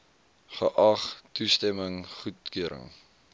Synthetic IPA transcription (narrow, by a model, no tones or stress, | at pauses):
χəʔɑχtustɛməŋχutkyəɾə̰ŋ